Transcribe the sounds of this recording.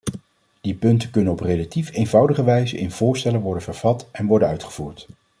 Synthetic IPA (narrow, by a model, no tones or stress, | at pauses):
d̥ipɵntəkɵnənɔprelatifejnvɑwdəχəʋɛjzə̰nʔɪ̰nv̥ʊːɹstɛləʋɔɹdənvəɹv̥ɑtɛnʋɔɹdənœɥtχə̥v̥uːɹt